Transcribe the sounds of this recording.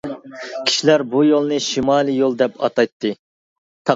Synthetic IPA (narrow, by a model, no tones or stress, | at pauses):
kʲʰi̥ʃilæɾbujolˠnɨʃimɑːlˠɨjolˠd̪ɛpɑ̰t̪ɑjt̪ːɨ | t̪ʰɑ